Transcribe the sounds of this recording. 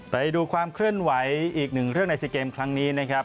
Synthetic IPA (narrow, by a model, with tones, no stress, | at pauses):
pa˧jduː˧kʰwaː˧mkʰlɯ˥˩ənwa˩˦jʔiː˨˩k̚nɯ˨˩ŋɾɯ˥˩əŋna˧jsi˧keː˧mkʰɾa˦˥ŋniː˦˥na˦˥kʰa˦˥p̚